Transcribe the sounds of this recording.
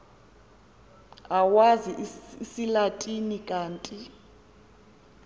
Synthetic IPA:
awaziʔsilatʼinikʼaːntʼi

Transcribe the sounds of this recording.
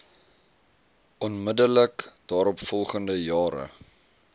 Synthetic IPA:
ʔɔnmədələkd̥ɑːɾɔpfɔlˠχəndəjɑːɾə̰

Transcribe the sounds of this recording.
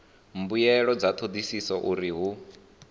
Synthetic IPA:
mbujɛɺɔd͡zat̪ʰod̪isisɔʔuɾiɦu

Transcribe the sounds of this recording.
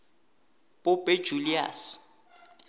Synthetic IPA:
b̥ʊbʼɛ̥d͡ʒulia̰ːs

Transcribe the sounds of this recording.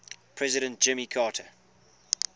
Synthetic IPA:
pʰɹ̥ɛzɪɾə̃nt̚d͡ʒ̥ɪ̃mikʰɑːtʰə

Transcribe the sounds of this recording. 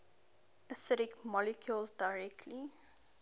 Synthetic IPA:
əsɪɾɪkmɔlɪkʰjulzdaɪɹɛk̚tʰli

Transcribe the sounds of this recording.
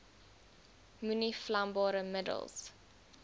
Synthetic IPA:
myniflambɑːɾəmədə̰lˠs

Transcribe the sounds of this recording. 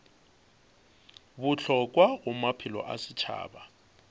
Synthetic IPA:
bʊɬʰɔkʼwaʊmapʰɪlɔ̰ʔasɪt͡ʃʰa̰ːba

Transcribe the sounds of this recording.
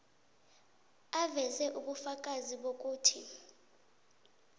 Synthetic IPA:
avɛzɛʔuɓufak̬ʼaziɓok̬ʼuːtʰi

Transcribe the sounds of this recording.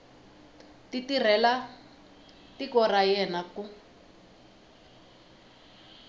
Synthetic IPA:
titir̤ɛla | tikɔrajɛnaku

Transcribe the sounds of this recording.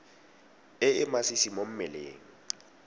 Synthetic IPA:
ɪɪmasisimom̩mɛlḛːŋ̩

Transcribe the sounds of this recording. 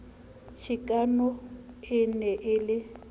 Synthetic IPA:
ʃʰikʼanɔɪnɛʔɪlɪ

